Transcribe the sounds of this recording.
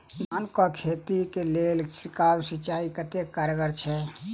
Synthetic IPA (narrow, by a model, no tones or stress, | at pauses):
mankɔkʰet̪ikelelsikawsit͡ʃaikət̪ekːaɾɡəɾt͡ʃʰɛ